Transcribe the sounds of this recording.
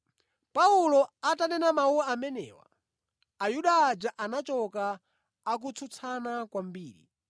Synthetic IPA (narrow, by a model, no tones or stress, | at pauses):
paulɔatanɛnamauwaamɛnɛ̰ːwa̰ | ajuɗaːd͡ʒaʔanat͡ʃɔkaː | k̬ut͡sʰut͡sʰanakwambiːɾḭ